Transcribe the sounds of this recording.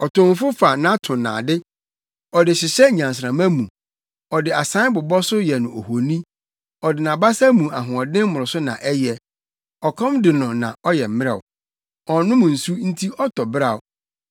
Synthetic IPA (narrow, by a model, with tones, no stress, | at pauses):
ɔ˨tʰʊ̃˨m˦fʊ˦fa˨nã˦tʰʊ̃˨nã̰ː˨dɪ˦ | ɔ˨dɪ˨ɕɪ˨ɕɛ˦ɲã˨ns̬ɾã˨mã˦mũ˨ | ɔ˨dɪ˨a˨sã˦bʊ˨bɔ˦sʊ˦jɛ˨nʊ̃˨o˨ho˨nĩ˦ | ɔ˨dɪ˨nã˨ba˦sa˦mũ˨a˨ɦʊ̃˨ɔ˨dɪ̃˦m˦mʊ˨ʊ˨sʊ˦nã̰˨ʔɛ˦jɛ˨ | ɔ˨kʰɔ̃˦mdɪ˨nʊ̃˨nã̰˨ɔ˦jɛ˨m̩˨˦mɪ̃˦ɛ̰˦˨ʊ̰˨ | ɔ˨nʊ̃˦mʊ̃˨n̩˨su˦n̩˦tʰi˦ʔɔ˦tʰɔ˨bɾa˨ʊ˨